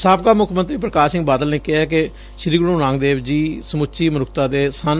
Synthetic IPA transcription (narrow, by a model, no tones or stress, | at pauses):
saːp̚kaːmʊkʰmənt̪ɾiːpɾəkaːsɪŋɡbaːd̪əlnẽːkɪɛːk̬e | ʃɾiːɡɽũːɾãːŋɡd̪eːbd͡ʒiːsəmʊt͡ʃiːmənʊkʰt̪aːd̪eːsən